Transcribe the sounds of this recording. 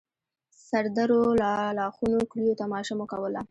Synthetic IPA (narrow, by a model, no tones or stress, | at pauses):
saɾd̪aɾolalɑxunokɽijot̪amɑʃamokawəla